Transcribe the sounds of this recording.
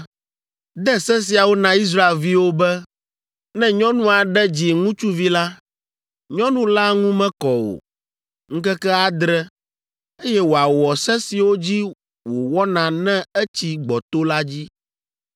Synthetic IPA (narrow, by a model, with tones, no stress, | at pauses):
d̪ɛ˦sɛ˦s̬i˨a˨wo˦nã˨i˦s̬ɾa˦e˨lvi˦wo˦bɛ˦ | nɛ̃˦ɲɔ̃˦nũ˦a˨ɖɛ˦d͡ʑi˨ŋũ˦t͡ʃu˦vi˦la˦ | ɲɔ̃˦nũ˦la˦ŋũ˦mɛ̃˦kɔ˨o̰˨ | ŋ̩˦kɛ˦kɛ˦a˨d̪ɾɛ˦ | e˦jɛ˦wo˨a˨wɔ˨sɛ˦si˨wo˦d͡ʑi˦ | wo˨wɔ˦nã˨nɛ̃˦ɛ˦t͡ɕi˦ɡ͡bɔ˨t̪o˦la˦d͡ʑi˦